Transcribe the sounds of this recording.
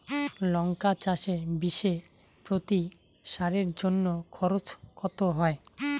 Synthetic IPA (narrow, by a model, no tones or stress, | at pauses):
lɔŋkat͡ɕaʃebiʃe | pɾot̪i | ʃaɾeɾd͡ʑonːokʰɔɾot͡ɕkʰɔt̪oɦɔe